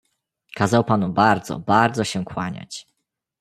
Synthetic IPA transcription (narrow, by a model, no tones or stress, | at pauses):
kazawpanubaɾd̪zɔ̰baɾd̪zɔɕɛkwaɲa̰t͡ɕ